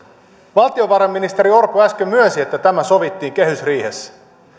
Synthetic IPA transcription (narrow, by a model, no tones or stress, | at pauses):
ʋɑlt̪io̞ʋɑɾɑmːinist̪eɾio̞rpːˑuæskømyønsiet̪ːæt̪æmæso̞ʋit̪ːiːŋke̞ɦysriːhesːæ̥